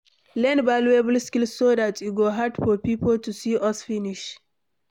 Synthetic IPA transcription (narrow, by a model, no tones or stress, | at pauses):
lɛ̃nbaluebəlskilsːodatuɡoɦadfɔpipʰəltusiʔʌsfiniʃ